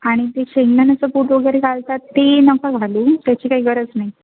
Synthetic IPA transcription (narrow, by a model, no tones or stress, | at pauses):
aɽ̃it̪eɕeŋɡnənəsəpoʈʋəɡəɾekalt̪at̪ːenəkəd͡zʱaluːt̪jat͡ɕiːkaɦiːɡəɾət͡snai